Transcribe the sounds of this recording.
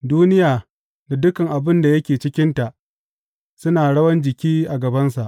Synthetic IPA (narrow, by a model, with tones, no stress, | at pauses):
duː˦nɪ˦jaː˨ | da˨dʊ˦kɐ˨ŋʔa˨bɪ˦nda˨jɐ˦kʲeː˨t͡ʃɪ˦kʲɪ˦nta˨ʔ | sʊ˦naː˨ɽɐ˦wɐ˦nd͡ʒɪ˨kʲiː˦ʔa˨ɡɐ˨bɐ˦nsa˨ʔ